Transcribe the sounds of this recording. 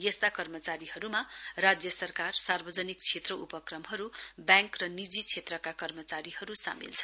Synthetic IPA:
jʌst̪akʌrmʌt͡saɾihʌɾumarad͡zjʌsʌrkarsarbʌd͡zʌnik̚t͡sʰet̪rʌʔupʌkrʌmɦʌɾubjãŋkrʌnid͡zit͡sʰet̪rʌkakʌrmʌt͡saɾihʌɾusa̰mḭlt͡sʰʌ̥

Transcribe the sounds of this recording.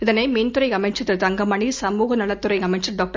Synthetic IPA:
ɪðɐneːmeːnt̪ʊɾɐɪɐmɐɪt͡ʃɐt̪ːɯt̪ɐŋɡɐmɐɳisɐmuːɣɐnɐɭɐt̪ːɯɾɐɪɐmɐɪt͡ʃɐɖoːk̚ʈɐ

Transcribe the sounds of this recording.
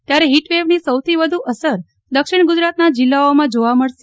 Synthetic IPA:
t̪jaɾeɦiʈʋeʋnisəwt̪ʰiʋəd̪ʱuʔəsəɾ | d̪əkʃɪɳɡud͡ʒɾat̪nad͡ʒɪlːaomãd͡ʒoʋaməɭʃe

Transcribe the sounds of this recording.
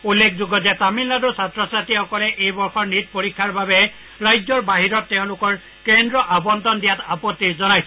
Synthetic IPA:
ulːekʰzuɡɔtɛt̪amilːadusatɹɔsatixɔkɔlɛʔejbɔɹxɔɹnit̪̚poɹikʰːaɹbabɛ | ɹajd͡ʒɔɹbaɦiɾɔtːeʊ̃lʊkɔɹ | kendɹɔʔabɔnt̪ɔndijatapɔt̪ːiɹzɔnajsɔ

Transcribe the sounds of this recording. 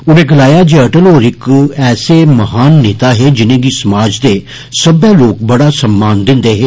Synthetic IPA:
ʊnẽːɡəlaːjaːd͡ʒeːəʈəloːɾɪkɛːseːməɦaːnːeːt̪aːɦeːd͡ʒɪnẽːɡiːsəmaːd͡ʒd̪eː | səbeːloːk̚bəɽaːsəmbaːnd̪ɪ̃nd̪eːɦeː

